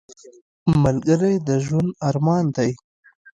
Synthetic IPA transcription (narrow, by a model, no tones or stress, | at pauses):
malɡəɾajd̪əʒwand̪aɾmɑːnd̪aj